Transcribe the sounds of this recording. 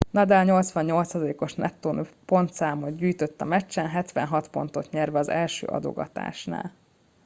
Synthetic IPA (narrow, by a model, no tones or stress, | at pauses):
nɒd̪aːlɲo̞lt̪sʋɒɲɲo̞lt̪sɒzɒleːko̞ʃnɛt̪ːoːnøpo̞nt̪saːmod̪ɟyːjt̪øt̪ːɒmɛt͡ʃːɛnɦɛt̪ʋɛ̰nɦɒt̪po̞̰n̪t̪o̞t̪ɲɛrvɛɒzɛlʃø̰ːʔɒ̰d̪o̞̰ɡɒ̰t̪a̰ːʃna̰ːl